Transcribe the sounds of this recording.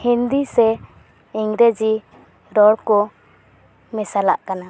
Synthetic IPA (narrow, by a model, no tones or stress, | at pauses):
hind̪isɛ | iŋɾɛd͡ʒi | ɾɔɽkɔ | mɛsala̰ʔkana